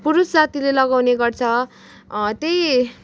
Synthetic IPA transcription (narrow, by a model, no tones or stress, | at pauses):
puɾussat̪ʰilelʌɡawneɡʌrt͡sʰʌ | t̪ej